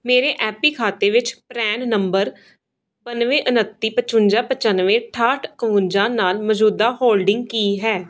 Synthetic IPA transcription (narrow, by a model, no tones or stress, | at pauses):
meːɾeːʔɛːpiːkʰaːt̪eːʋɪt͡ʃpɾɛːnnəmbəɾ | bənʋẽːʔənət̪ːiːpət͡ʃʊnd͡ʒaːpət͡ʃənʋẽːʈʰaːʈʰkəʋʊnd͡ʒãːnaːlməd͡ʒuːd̪aːhoːlɖɪŋɡkiːɦɛː